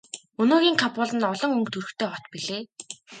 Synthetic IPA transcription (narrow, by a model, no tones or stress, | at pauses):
ɵnoːɣʲiːŋkʰapʊːɮə̆nɔɮɞ̆ŋɵŋkt̪ʰɵrɵ̆xt̪ʰeːχɔt̪piɮeː